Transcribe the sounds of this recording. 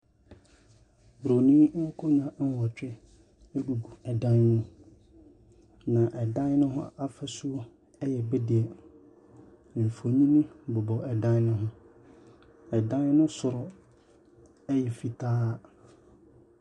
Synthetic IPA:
bɾo˨nĩ˦kʰʊ˦ɲã˨n̩˦wɔ˨t͡ɕᶣɛ˦ | e˦ɡu˨ɡu˨ɛ˨dã˦nːnũ˦ | nã˨ʔɛ˨dã˦n˦nʊ̃˦ɦʊ̰̃˦a˦fɛ˨sʊ˦ | ɛ˦jɛ˨bɛ˦dɪ˨ɛ˨ | fo˨ɲĩ˦nĩ˦bɔ˨bɔ˨ʔɛ˨dã˦n˦nʊ̃˦ɦʊ̃˦ | ɛ˨dã˦nnʊ̃˦sʊ˨ɾɔ˨ | ɛ˦jɛ˨fi˨tʰaː˦

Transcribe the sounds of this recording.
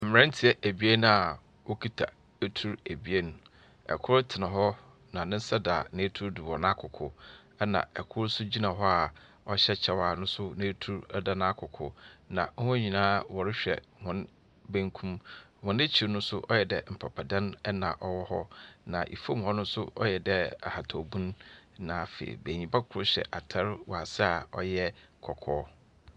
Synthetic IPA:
m̩˨m˨ɾɛ̃˦n˦tʰɪ˨ɛ˦ʔæ˨bi˨˦e˦nũ˨a˨ | wo˦kʰi˦tʰa̰˨ | æ˦tʰu˦ɾe˨bi˨˦e˦nũ˨ | ɛ̰˨kʰʊ˦ɾtʰɪ˨nã˨ɦɔ˦ | nã˨nɪ̃˦n̩˦sa˦da˨nã˨˦tʰu˦ɾdu˨wɔ̃˨nã˦kʰʊ˨kʰʊ˨ | ɛ˦nã̰˨ɛ̰˨kʰʊ˦ɾsʊ˦d͡ʑi˦nã˨ɦɔ˦a˨ | ɔ˦ɕɛ˦t͡ɕʰɛ˦wa˨nʊ̃˦sʊ˦nẽ˦tʰu˦ɾda˦nã˦kʰʊ˨kʰʊ̰˦nã̰˨˦hʊ̃˦ɲĩ˨nãː˦wɔ˨ɾɪ˦ɕᶣɛ̰˨hʊ̃˨˦n | bæ̃˦ŋkʰũ˦mhʊ̃˨ne˦t͡ɕʰi˨ɾnʊ̃˦n˦sʊ˦ʔɔ˦jɛ˨dɛ˨m̩˨pʰa˨pʰa˨dã˦nɛ˦nã̰˨ʔɔ˦wɔ˦hɔ˦nã˨ʔḭ˨fõ˦m˨ɔ̃˨nʊ̃˦sʊ˦ʔɔ̰˦jɛ˨dɛ˦a̰˨ha˨tʰɔ˨bũ˦n˦nãː˨˦fḛ˨ḭ˨beː˨ɲĩ˨ba˦kʰʊ˨ɾʊ˦ɕɛ̰˨ʔa˨tʰa˦ɾwɔ̰˨a˨sɪ˦a˨ɔ̰˦jɛ˦kʰɔ˨kʰɔː˦

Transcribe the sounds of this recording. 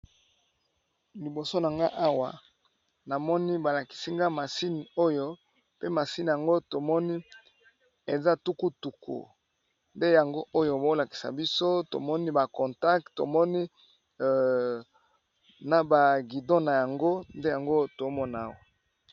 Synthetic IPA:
li˨bo˨so˦na˨ŋɡa˦ʔa˦wa˨ | na˨mɔ˦ni˦ba˨la˨ki̥˨si˦ŋɡa˦ma˨si˦ni˨o˦jo˦ | pe˦ma˨si˦ni˨ja˨ŋɡo˦to˨mɔ˦ni˦ | e˨za˦tu˦ku˦tu˨kʰo̰˨ | nde˦ja˨ŋɡo˦ʔo˦jo˦bo˦la˨ki̥˨sa̰˨bi˦so˦to̰˨mɔ˦ni˦ba˨kɔ˨nta˦k̚tto̰˨mɔ˦ni˦ | na˨ba˨ɡi˨dõ˦na˨ja˨ŋɡo˦nde˦ja˨ŋɡo˦to˨˦mɔ˦na˨a˦˨wa˨

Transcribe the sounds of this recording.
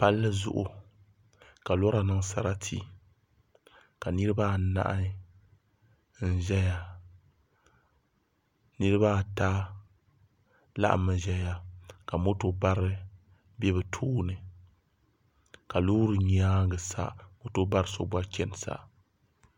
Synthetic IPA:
pa˦lːɨ˦zʊ̰˦ʔʊ˨ | ka˨lɔ˦ɾa˨nɨ˦ŋsa˨ɾa˦tʰḭ˦ | ka˨nɨ˦ɾɨ˦ba˦˨na̰˦ʔa˦ | n̩˦ʒɛ˦ja˨ | nɨ˦ɾɨ˦ba˦˨taː˦ | la̰˦ʔmːɨ˨ʒɛ˦ja˦ka˨mo˦to˦ba˦ɾɨ˦ | bɛ˦bɨ˨tʰuː˦nɨ˨ | ka˨luː˦ɾɨ˨ɲi˦aː˦ɡɨ˨sa̰˦mo˦to˦ba˦ɾɨ˦so˦ba˦kʲɛ˦n˨sa̰˦˨

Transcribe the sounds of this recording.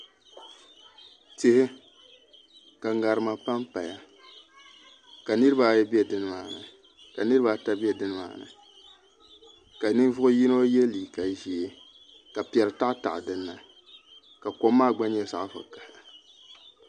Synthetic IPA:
tɪ˦hɪ˦ | ka˨ŋa˨ɾɨ˨ma˨pa˦mpa˨ja˨ | ka˨nɨ˦ɾɨ˦ba˨˦jɛ˦bɛ˦dɨ˦nɨ˦maː˨nɨ̰˨ | ka˨nɨ˦ɾɨ˦ba˦ta˦bɛ˦dɨ˦nɨ˦ma̰ː˨nɨ̰˨ | ka˨nɨ˦n˦vʊ˦ʔʊ˦ji˦no˦jɛ˦liː˨ka˨ʒi˨e˦ | ka˨pɛ˨lɨ˨ta˦ʔta̰˨ʔdɨ˦nːa˨ | ka˨ko˦mːaː˦˨ɡ͡ba˦ɲɛ˨sa˦ʔfɨ̰˨ka˨hɪ˨

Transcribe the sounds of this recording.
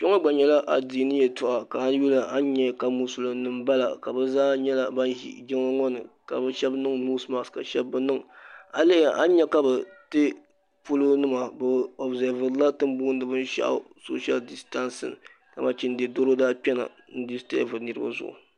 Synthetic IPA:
pɛ˦ŋɔ˦ɡ͡ba˨ɲɛ˦la˦ʔa˨di˨nɨ˦jɛ˨tʊ˨ʔa˨ka˨˦n˦ju˦lɨ˨a˦ɲɛ˦ka˨mu˦sʊ˨lo˨nɨ˨mba˦la̰˨ka˨bɨ˦zaː˦ɲɛ˦la˨ba˦nḭ˦ɡɪ˦ŋ˦ŋɔ˦nɨ̰˨ka˨bɨ˦ʃɛ˦bnɨ˦ŋnu˦sma˨ska˨ʃɛ˦bːɨ˦nɨ˦ŋa˨le˦˨ʔa˦ɲɛ˦ka˦bɨ˨tɨ˦ | pu˦lʊ˦nɨ˦ma˨bɨ˨ɔ˨bzɛ˨ɾvɨ˨ɾla˦tɨ˦mbuː˦n˦dɨ˨bɨ˦n˦ʃa̰˦ʔ | so̰˦ʃa˦ldi˨sta˦nsɨ̰˨n | ka˨ma˦t͡ʃi˦n˦dɛ˨do˦ɾo˦daː˦pɛ˦na̰˨ | n̩˦di˦stɛ˦ʔvɨ˨nɨ˦ɾɨ˦ba̰˦zʊ̰˨ʔʊ̰˨

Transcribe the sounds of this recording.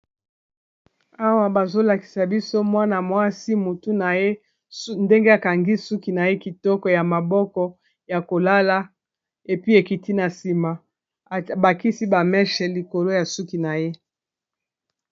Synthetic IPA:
a˦wa˦ba˨zo˦la˨ki̥˨sa˨bi˦so˦mwa˦na˨mwa˦si˦mo˨tu˦na˨je˦ | nde˦ŋɡe˦a˨ka˨ŋɡi˦su˦ki˨na˨je˦ki˨tɔ˦kɔ˨ja˨ma˨bɔ˦kɔ˦ | ja˨ko˨la˦la˦ | e˨pi˦e˨ki˨ti˦na˨si˨ma˨ | ba˨ki˦si˦ba˨mɛ˦ʃɛ˨li˨ko˨lo˦ja˨su˦ki˨na˨je˦

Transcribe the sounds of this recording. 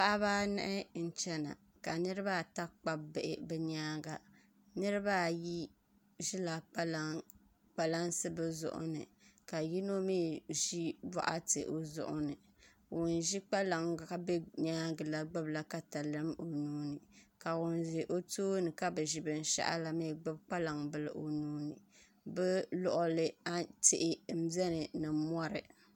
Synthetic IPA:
pa˦ʔa˦βaː˦nɛ̰˦ʔɛ˦n̩˦t͡ʃɛ˦na̰˨ | ka˨nɨ˦ɾɨ˦ba˦˨ta˦k͡pa˦bɪ˦˨ʔɪ˦bɛ˦ɲaː˦ɡa˨ | nɨ˦ɾɨ˦ba˦ji˦ | ʒi˦la˨a˦l | k͡pa˨la˦nsɨ˦bɛ˦zʊ̰˦ʔʊ̰˦nɨ̰˨ | ka˨ji˦no˦miː˦ʒi˦ba̰˦ʔa̰˦tɨ̰˨ʔo˨zʊ̰˦ʔʊ̰˦nɨ˨ | wʊ˨nʒi˦k͡pa˦la˨ŋ˨ka˦be˦ɲaː˦ɡɨ˨la˦ɡ͡bɨ˦bla˦ka˦ta˨lɨ˦mo˨nuː˦nɨ˨ka˨wʊ˨˦nʒi˨ʔo˦toː˦nɨ˨ka˦bɨ˨ʒi˨bɨ˨n̩˨˦ʃa̰˦ʔa̰˦la˨mi˦˨ɡ͡bɨ˦b̚k͡pa˦la˨ŋbɨ˨lɨ˨ʔo˨nuː˦nɨ˨ | bɛ˦lɔ˦˨ʔʊ˦lɨ˦a˦tɪ˨ʔɪ˦m̩˦zɛ˦nɨ˨nɨ˨mɔ˦ɾɨ̰˨

